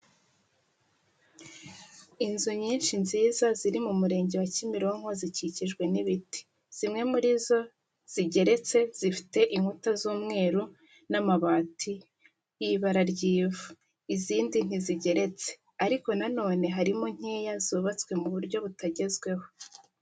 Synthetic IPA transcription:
inzuɲiːnʃinziːzaziɾimumuɾe̞ːɲɟe̞wacimiɾoŋoziciciʒɡwe̞niβiti̥ | z̥imŋe̞muɾizo̞ | z̥iɟe̞ɾe̞t͡se̞z̥ifi̥te̞ʔiŋhutazuːmŋe̞ːɾu | namaβaːtʰi | jiβaɾaɾɟiːvu | iziːndin̥iziɟe̞ɾe̞t͡se̥ | aɾiko̞nano̞ːne̞ɦaɾimo̞ɲ̥eːjazuːβat͡skwe̞muβuɾɟo̞βutaɟe̞zɡwe̞ho̞

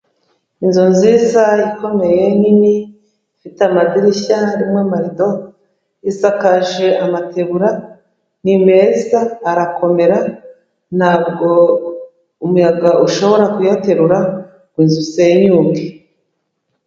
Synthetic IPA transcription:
inzunziːzaiko̞me̞je̞nini | fitamadiɾiçaɾimwemaɾido̞ | isakaʒe̞amatʰe̞βuɾa | nime̞zaːɾakʰo̞me̞ɾa | n̥haːbɡo̞ | umujaɡauʃo̞βo̞ɾakujate̞ɾuɾa | kwinzuseɲuːmɡe

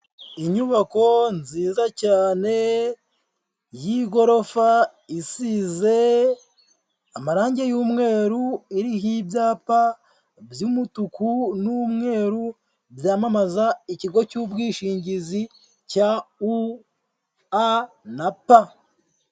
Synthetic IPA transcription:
iɲuβako̞nziːzacaːne̞ | jiɡo̞ɾo̞fa | isize̞ | amaɾaːɲɟe̞juːmŋe̞ːɾuiɾiɦibjaːpa | bjumutukunumŋe̞ːɾu | bjaːmamazaiciɡo̞cuːbɡiːʃiːɲɟizi | cau | a | napa

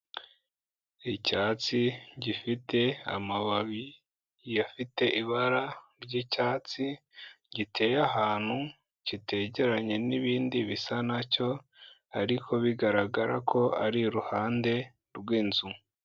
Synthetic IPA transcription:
icaːt͡siɟifite̞a̰maβaβi | jafite̞ʔiβaɾaɾɟicaːt͡si | ɟitʰe̞ːjaɦaːn̥hu | citʰe̞ːɟe̞ɾaɲe̞niβiːndiβisanaco̞ | aɾikʰo̞βiɡaɾaɡaɾa̰kʰo̞aɾiɾuhaːnde̞ | ɾwiːnzumu

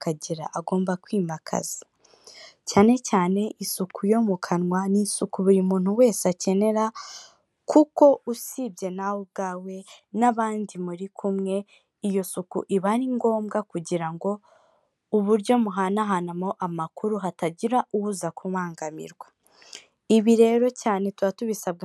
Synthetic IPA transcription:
kaɟiɾa̰ʔaɡo̞ːmbakwiːmbakʰa̰zi̥ | caːne̞caːne̞ʔisukʰujo̞mukʰanwanisukuβuɾimuːn̥huwe̞ːsace̞ne̞ɾa | kuko̞usibɟe̞nawob̚ɡaːwe̞naβaːndimuɾikʰumŋe̞ | ijo̞sukṵʔiβaɾiŋɡo̞ːmɡakuɟiɾaŋɡo̞ | uβuɾɟo̞muɦanaɦanamo̞ʔamakuɾuɦataɟiɾaʔuwuzakʰuβaːŋɡamḭɾɡwa | iβiɾe̞ɾo̞caːne̞twatuβisabɡ

